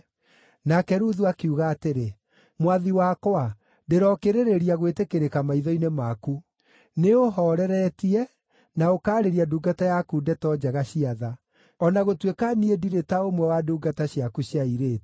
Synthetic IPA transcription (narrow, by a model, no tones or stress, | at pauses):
nakɛɾuðuakiuɣaːteɾe | mwaðiwakwa | deɾɔkeɾeɾeɾiaɣwetekeɾekamaiðɔinemaku | neoɦɔɾɛɾɛtiɛ | naokaːɾeɾiaduːɡatajakudɛtɔd͡ʒaɣaɕiaða | ɔnaɣotwekaniediɾetaomwɛwaduːɡataɕjakuɕjaiɾeː